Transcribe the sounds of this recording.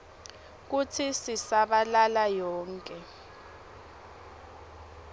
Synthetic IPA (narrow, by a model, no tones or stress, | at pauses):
k̬utʰisisaɓalalajɔːŋkʼɛ